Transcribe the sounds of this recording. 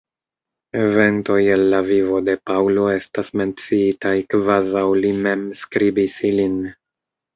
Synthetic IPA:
e̞ve̞nto̞jelːavivo̞de̞pawlo̞e̞stasme̞nt͡siitajkvazawlime̞mskɾibisilin

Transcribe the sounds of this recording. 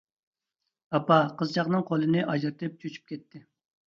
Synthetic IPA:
ɑpɑqʰəzt͡ʃʰɑχnɨŋqʰolˠɨnɨʔɑd͡ʒɾɨt̪ʰɨp̚t͡ʃʰøt͡ʃʰy̥p̚kʲɛt̪ʰːɪ

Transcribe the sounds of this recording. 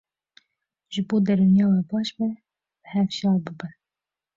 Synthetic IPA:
ʒɨboːd̪ɛɾunjɑːwɛbɑːʃbɛ | b̥əhɛfʃɑːlbɨbɛ

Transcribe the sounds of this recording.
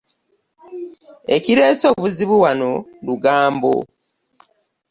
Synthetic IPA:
e̞̰ciɾeːso̞βuziβuwano̞luɡaːmbo̰

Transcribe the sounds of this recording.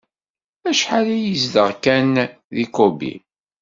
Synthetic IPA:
æʃħalæjizd̪əʁkæn | ðikobḭ

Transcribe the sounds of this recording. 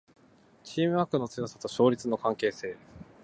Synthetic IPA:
t͡ɕiːmɯ̟akɯ̟not͡sɨjosḁt̪oɕo̞ːɾʲit͡sɨno̞kãŋke̞ːse̞ː

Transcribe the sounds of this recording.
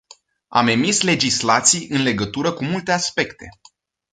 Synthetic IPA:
a̰me̞misle̞d͡ʒislat̪sijɨnle̞ɡət̪uɾəkumult̪e̞aspe̞kt̪e̞̰

